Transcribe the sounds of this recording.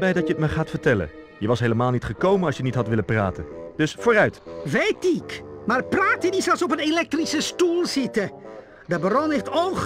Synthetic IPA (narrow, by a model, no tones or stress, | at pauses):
bɛjdɑjətmaːɹχaːtfəɹtɛlə̰n | jəʋɑsɦejləmaːlˠnitχəkowmənɑsʃjənitɦɑtʋɪləpra̰ːtə̰nd̥ɵsfoːɾœɥtʋejtɪkmaːrpraːtədizɛlˠsɔp̬ənelɛk̚trisəstulˠzɪtə | dəbərɔnɦejftɔn